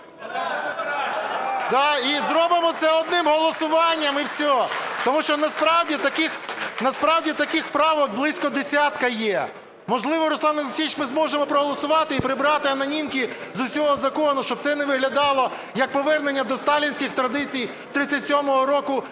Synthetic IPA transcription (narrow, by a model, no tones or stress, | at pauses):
d̪ɑizd̪ɾɔbemɔt̪sɛɔd̪nɪmɦɔlˠɔsʊʋɑnʲːɐmiwsʲɔt̪ɔmuʃt͡ʃɔnɐspɾɑwdʲit̪ɐkɪxnɐspɾɑwdʲit̪ɐkɪxpɾɑʋɔk̚blˠɪsʲkɔd̪esʲɑt̪kɐjɛ | mɔʒlˠɪʋɔɾʊslˠɑnɐt͡ʃʲit͡ʃmɪzmɔʒemɔpɾɔɦɔlˠɔsʊʋɑt̪ɪipɾɪbɾɑt̪ɪɐnɐnʲimkʲizʊsʲɔɦɔzɐkɔnʊʃt͡ʃɔb̚tsɛnɛʋɪɦlʲɐd̪ɑlˠɔ | jɐk̚pɔʋɛrnenʲːɐd̪ɔst̪ɑlʲinʲsʲkʲɪxt̪ɾɐd̪ɪt͡sʲij | t̪ɾɪt͡sʲːɐtʲsʲɔmɔɦɔɾɔkʊ